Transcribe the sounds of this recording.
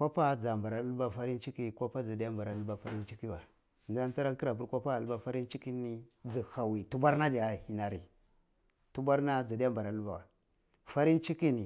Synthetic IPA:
kʷa˦pa˦d͡za˨mba˨ɾa˨˦ba˨fa˦ɾi˦nt͡ʃi˦ki˦kʷa˦pa˦d͡za˨da˦mba˨ɾa˨lba˨fa˦ɾi˦nt͡ʃi˦ki˦wa˨ | n˨a˦n˦ta˦ɾa˦nki˦ɾa˨pu˦ɾkʷa˦pa˦a˨lba˦fa˦ɾi˦nt͡ʃi˦ki˦ni˦d͡zi˨ha˨wi˨tu˦ba˦ɾna˦da˨hi˨na˨ɾi˨ | tu˦ba˦ɾna˦d͡za˨da˦a˦mba˨ɾa˨˦ba̰˨wa˨ | fa˦ɾi˦n˦t͡ʃi˦ki˦ni˨

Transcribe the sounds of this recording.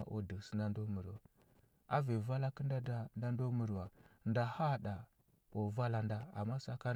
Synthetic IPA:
a̰˨ʔo̰˦˨di˨ksə̥˦nda˦ndo˦mə˨ɾwa˨ | a˦ve˨va˦la˦ki˦nda˦da˦nda˦ndo˦mə˨ɾwa˨nda˨ha˦ɗa˨ | o˨va˦la˦nda˦a̰˨mːa˦sa˦ka˦

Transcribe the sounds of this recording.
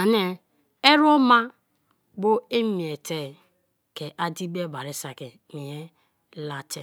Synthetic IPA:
a˨n˦e˦ | e˦ɾo˦ma˦ | bo˦e˦mi˨e˨te˦˨ | ke˨ʔa˦di˦be˦ba˨ɾe˦sa˨ke˨ | ni˨je˦ | la˨tʰe˨

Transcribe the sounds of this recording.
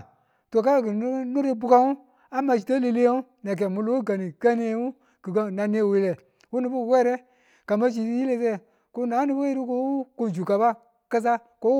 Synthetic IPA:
to˨ka˦˨ɡɨ˨˦nõ˦ɾe˧˦bu˦ka˦ŋũ˦ | a˨˦mã˧˨si˨tə˦le˧le˦o˦ũ˦nã˨k̬ɛ˨mũ˧lo˦ɡa˨nĩ˨kɛ˦nẽ˦ŋũ˦ | ɡ̥ɨ˨kə˧˨nã˨nẽ˧˦˨we˨lɛ˨ | wu˦nũ˦bu˦wɛ˦ɾɛ˦ | ɡ̥a˨mã˦s̬i˨tji˦le˦˧˦s̬ɛ˦˨ | ko˦nãː˨˦nĩ˦be˦i˦ɾɨ˦ko˧˦ko˧n˨d͡ʒu˨ka˨ba˦ | kə˧s̬a˦ | ko˦

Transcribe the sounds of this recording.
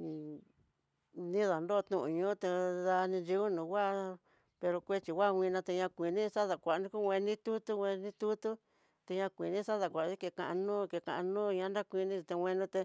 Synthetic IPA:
nĩ˦ða˨ndo˦˧t̪ũ˧ʔũ˨˧ɲũː˦t̪e˧ða˧nĩ˧d͡ʒi˧u˦nũː˨˧wa˦˧ | pe˧ɾo˧kʷe˦t͡ʃi˨wʷa˦˧wʷĩ˧nã˧t̪e˧ɲã˧kʷi˨nĩ˦sa˦ða˨kʷa˨ʔnĩ˦ku˦wʷẽ˧nĩ˦t̪u˦t̪u˦wʷẽ˧nĩ˦t̪u˦t̪u˦ | t̪e˧ɲã˧kʷi˨nĩ˦sa˦ða˨kʷa˨˧ði˦ke˧˨kã˧ʔã˧nũː˦ke˧kã̰˧ʔã˧nũː˦˧ɲã˧˦nda˦kʷi˧nĩ˦t͡ʃi˧t̪e˧wʷẽ˧nũ˦t̪e˧

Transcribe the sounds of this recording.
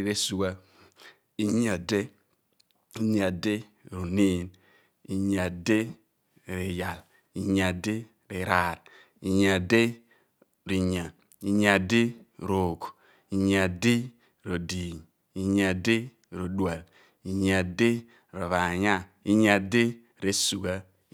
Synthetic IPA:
ɾe˦su˨wa˦ | i˦ɲ˦a˨de˦ | i˨˦ɲ˦a˨de˦ | ɾo˨ni˦n | i˨ɲa˨de˦ | ɾi˨ja˨l | i˨˦ɲa˨de˦ | ɾi˨ɾa˨ɾ | i˨ɲa˨de˦ | ɾi˨ɲa˨ | i˨ɲ˦a˨de˦˨ɾo˨ɡu̥˨ | i˨ɲa˨di˦ | ɾo˨di˨ɲ | i˨ɲa˨de˦ | ɾo˨dwa˨l | i˨ɲa˨de˦ | ɾo˨βa˨ɲa˦ | i˦ɲa˨de˦ | ɾe˦su˨ɡa˦

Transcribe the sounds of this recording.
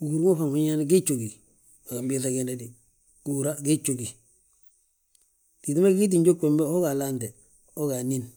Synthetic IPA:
u˨u˨ɾŋo˦fa˨ŋu˦ɲa˦n˦ɡi˦t͡ʃo˨ɡi˨ | a˨ɡa˨mbi˦s̬a˨ɡe˦˨ne˦di˨ | u˨ɾa˦ɡe˦t͡ʃo˨ɡi˨ | ti˨ti˦ma˦ɡi˦t̬i˨ɲɟo˦kːʷe˨mbe˦ho˦ɡa˨la˦nde˨ | o˦ɡa˨ni˦n

